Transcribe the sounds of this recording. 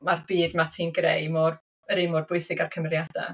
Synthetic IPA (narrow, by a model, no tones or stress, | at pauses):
marbiːdmatʰiːnɡrḛjmɔːr | əɾimɔrbʊɨsɪɡarkʰəmrjadɛ̰